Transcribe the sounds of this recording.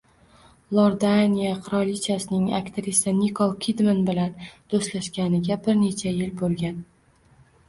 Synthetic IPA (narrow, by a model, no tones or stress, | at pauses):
lˠoɾd̪anʲijaqʰɨɾɒlit͡ʃʰasɪnɪŋa̰kʲt̪ʰɾisanikʰolˠkʲʰid̪manbɪland̪̥ost̪laʃɡʲanɪɡʲabɪɾne̞t͡ʃʰajɪlbolˠɡʲan